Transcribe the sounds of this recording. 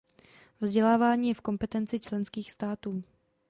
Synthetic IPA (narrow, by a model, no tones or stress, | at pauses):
vzɟɛlaːvaːɲiːjɛfko̞mpɛt̪ɛnt͡sɪt͡ʃlɛnskiːxst̪aːt̪uː